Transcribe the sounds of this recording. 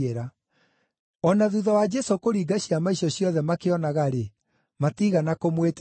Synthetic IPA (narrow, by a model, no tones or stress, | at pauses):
eɾa | ɔnaðuðɔwad͡ʒɛsokoɾiːɡaɕiamaiɕɔɕjɔðɛmakeɔnaɣaɾe | matiɣanakomwet